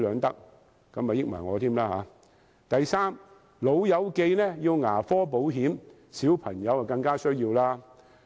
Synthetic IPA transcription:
lœː˨˧ŋt̪ɐ˥k̚ | kɐ˨˥mːaː˨˩jɪ˥k̚mɐ̰˨˩jŋɔː˨˧t̪ʰiː˥mlaː˥ha̰ː˨˥ | t̪ɐ˨jsaː˥m | lo˨˧wjɐ˨˧˥wke˧jnɛː˥ji˧wŋaː˨˩fɔː˥p̬o˨˥wɦiː˨˥m | siː˨˥wpʰɐ˨˩ŋjɐ˨˧wɐ˨kɐ˧ŋkaː˥sɵ˥ɥjiː˧wlaː˥

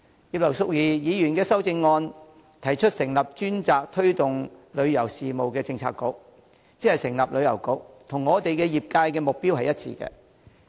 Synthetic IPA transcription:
jiː˨p̚lɐ˨˩wsʊ˧k̚jiː˨˩jiː˨˧jyː˨˩nkɛː˧sɐ˥wt͡sɪ˧ŋːɔː˧n | t̪ʰɐ˨˩jt͡ʃʰɵ˥t̚sɪ˨˩ŋlɐ˨p̚t͡ʃyː˥nt͡saː˨k̚t̪ʰɵ˥ɥt̪ʊ˨ŋlɵ˨˧ɥjɐ˨˩wsiː˨mo˨wkɛː˧t͡sɪ˧ŋt͡sʰa̰ː˧kːo̰˧˥k̚ | t͡siː˧˥hɐ˨˩jsɪ˨˩ŋlɐ˨p̚lɵ˨˧ɥjɐ˨˩wkʊ˨˥k̚t̪ʰʊ˨˩ŋːɔː˨˧t̪e˨jkɛː˧jiː˨p̚kaː˧jkɛː˧mʊ˨k̚piː˥whɐ˨jɐ˥t̚t͡sʰḭː˧kɛ̰ː˧

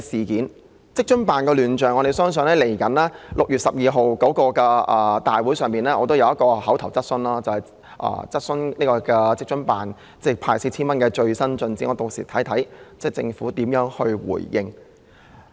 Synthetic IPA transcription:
siː˨˩kiː˨˥n | t͡sɪ˥k̚t͡ʃɵ˥npaː˨nkɛː˧lyː˨˩nt͡ʃœː˨˩ŋːɔ˨˧ɾe˨jsœː˥ŋs̬ɵ˨˧ŋlɛː˥le˨˩jkɐ˨˥nlɛː˥lʊ˨k̚jyː˨t̚sɐ˨p̚jiː˨˧ɦo˨wko˨˥wkɔː˧kɛː˧ʔɐː˨t̪aː˨jwu˨˥jsœː˨ŋmpiː˨nlɛː˥ʔɔː˨˧t̪o˥wjɐ˨˧wjɐ˥kɔː˧hɐ˨˥wt̪ʰɐ˨˩wt͡sɐ˥t̚sɵ˧nlaː˥t͡sɐ˨whɐ˨˩j | ʔɐ̰ː˨t͡sɐ˥t̚sɵ˥nniː˥kɔː˧kɛː˧t͡sɪ˥k̚t͡ʃɵ˥npaː˨n | t͡sɛ˥˩pʰaː˧˩jsi˧t͡sʰiː˥nmɐ˥nkɛː˧t͡ʃɵ˧ɥsɐ˥nt͡sɵ˧nt͡siː˨˥ŋɔː˨˧t̪o˨k̚sḭː˨˩t̪ʰɐ˨˥jt̪ʰɐ˨˥jt͡sɛ˥˩t͡sɪ̰˧ŋfuː˨˥t̪iː˨˥mjœː˨˥ŋhɵ˧ɥwṵː˨˩jjɪ˧ŋ

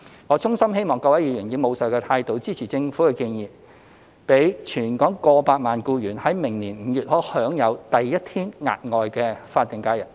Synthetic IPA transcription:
ŋɔː˨˧t͡sʰʊ˥ŋsɐ˥mɦe˥jmɔː˨˩ŋkɔː˧wɐ˨˥jiː˨˧ɥy˨˩nji˨˧˥mo˨˧wsɐ˨˩wkɛː˧t̪ʰaː˧jt̪o˨˥wt͡siː˥t͡sʰiː˨˩t͡sɪ˧ŋfu˨˥kɛ˧kiː˧njiː˨p | pe˨˥jt͡ʃʰyː˨˩nkɔː˨˥ŋkɔː˧paː˧t̚maː˨nkuː˧jyː˨˩nhɐ˨˥jmɪ˨˩ŋniː˨˩nm̩˨˧jyː˨t̚hɔː˨˥hœː˨˥ŋjɐ˨˧wt̪ɐ˨jːɐ˥t̚t̪ʰiː˥nŋa̰ː˨t̚ŋɔː˨jkɛː˧faː˧t̪̚ːɪ˨˩ŋkaː˧jɐ˨˩

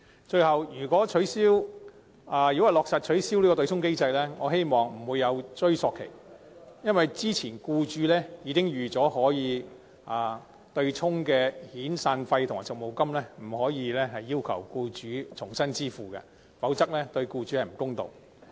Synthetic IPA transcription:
t͡ʃɵ˧ɥhɐ˨wjyː˨˩kɔː˨˥t͡ʃʰɵ˨˥siː˥w | aː˨˧jyː˨kɔ˥hɐ˨˩lɔː˨k̚saː˨˩t̚t͡ʃʰɵ˨˥ɥsiː˥wliː˥kɔ˧t̪ɵ˧t͡ʃʰʊ˥ŋke˥jt͡sɐ˧jlɛː˥ŋɔː˨˧ɦe˥jmɔː˨˩ŋm̩˨˩wuː˨˧jːɐ˨˧wt͡ʃɵ˥ɥsɔː˨˧kʰːḛ˨˩j | jɐ˥nwɐ˨jt͡siː˥t͡sʰiː˨˩nkuː˧t͡ʃyː˨˥lɛː˥jiː˨˧kɪ˥ŋjyː˨t͡sɔː˨˥hɔː˨˥jiː˨˧ | aː˨ | t̪ɵ˧ɥt͡sʰʊ˥ŋkɛː˧hiː˨˥nsaː˧nfɐ˧jt̪ʰʊ˨ŋaː˨˩sʊ˨k̚mo˨wkɐ˥mlɛː˥m̩˨˩hɔː˨˥jiː˨˧lɛː˥ɦɐ˨jːiː˥wkʰɐ̰˨˩wkuː˧t͡ʃyː˨˥t͡ʃʰʊ˨˩ŋsɐ˥nt͡siː˥fuː˨kɐ̰˧ | fɐ˨˥wt͡sɐ˥k̚lɛː˥t̪ɵ˧ɥkuː˧t͡ʃy˨˥hɐ˨jm̩˨˩kʊ˥ŋt̪o̰˨w

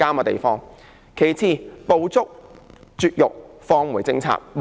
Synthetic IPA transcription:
aː˥mɐ˧t̪ḛ˨jfɔː˥ŋ | kʰe˨˩jt͡sʰiː˧po˧wt͡sʊ˥k̚t͡syː˧t̚jʊ˨k̚fɔː˧ŋwuː˨˩jt͡sɪ˧ŋt͡sʰa̰ː˨t̚m

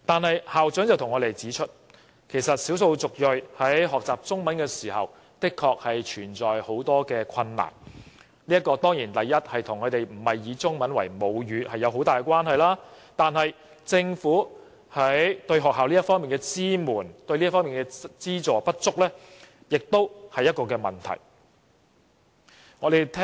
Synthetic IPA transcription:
t̪aː˨nhɐ˨jhaː˨wt͡sœː˨˥ŋt͡sɐ˨wt̪ʰŋːɔː˨˧t̪e˨jt͡siː˨˥t͡ʃʰɵ˥t̚ | kʰe˨˩jsɐ˨t̚siː˨˥wso˧wt͡sʊ˨k̚jɵ˨jhɐ˨˥jɦɔː˨k̚t͡saː˨p̚t͡sʊ˥ŋmɐ˨˥nkɛː˧siː˨˩hɐ̰˨w | t̪ɪ˥kʰɔː˧k̚hɐ˨jt͡ʃʰyː˨˩nt͡sɔː˨jho˨˥wt̪ɔː˥kɛː˧kʷʰɐ˧nːa̰ː˨˩n | li˥ɐ˥t̚kːɔː˧t̪ɔː˥ŋjiː˨˩nt̪ɐ˨jːɐ˥t̚hɐ˨jt̪ʰʊ˨˩ŋkʰɵ˨˧t̪e˨jm̩˨˩hɐ˨˩jːiː˨˧t͡sʊ˥ŋmɐ˨˥nwɐ̰˨˩jmo˨˧wjyː˨˧hɐ˨jːɐ˨˧wɦo˨˥wt̪aː˨jkɛ˧˥kwaː˥nɦɐ˨jlaː˥t̪aː˨nɦɐ˨j | t͡sɪ˧ŋfuː˨˥ | hɐ˨˥jt̪ɵ˧ɥɦɔː˨k̚ɦaː˨wliː˥ɐ˥tfɔː˥ŋmiː˨˩nkɛː˧t͡siː˥muː˨˩nt̪ɵ˧ɥliː˥fɔː˥ŋmiː˨˩nkɛ˧t͡siː˥t͡sɔː˨˩pɐ˥t̚t͡sʊ˥k̚lɛː˥ | jɪ˨k̚t̪o˥whɐ˨jːɐ˥t̚kɔː˧kɛː˧mɐ̰˨˩nt̪ʰɐ̰˨˩j | ŋɔː˨˧d̪e˨jt̪ʰɛ˥

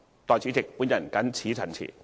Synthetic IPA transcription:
t̪ɔː˨˩jt͡sʰi˨˥t͡sɪ˨k̚puː˨˥njɐ˨˩nkɐ˨˥nt͡sʰiː˨˥t͡sʰɐ˨˩nt͡sʰḭː˨˩

